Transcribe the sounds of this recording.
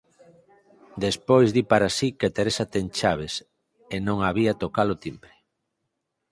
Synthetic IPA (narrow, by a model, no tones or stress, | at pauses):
d̪espojzðipaɾasiket̪eɾesat̪eŋt͡ʃaβ̞es | enõŋaβiat̪okalot̪impɾe